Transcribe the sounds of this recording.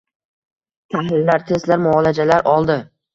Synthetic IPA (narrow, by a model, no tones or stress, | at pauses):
t̪ʰahlɪlːaɾt̪ʰe̞zlaɾmʊɒlad͡ʒalaɾʔɒlˠd̪ɪ